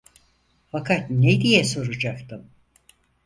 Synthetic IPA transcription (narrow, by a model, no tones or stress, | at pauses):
fakʰat̪ned̪ijɛso̞ɾud͡ʒakt̪ʰɯm